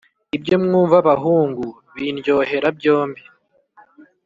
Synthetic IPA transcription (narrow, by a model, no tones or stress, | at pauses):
ibɟo̞mŋuːɱvaβaɦuːŋɡu | βinjo̞he̞ɾabjo̞ːmbi